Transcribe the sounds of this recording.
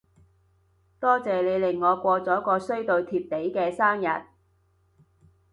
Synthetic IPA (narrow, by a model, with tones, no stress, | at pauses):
t̪ɔː˥t͡sɛː˨le˨˧jlɪ˨˩ŋːɔː˨˧kʷɔː˧t͡sɔː˨˥kɔː˧sɵ˥ɥt̪o˧wt̪ʰiː˧p̚t̪e˨˥jkɛː˧saː˥mjɐ˨˩t̚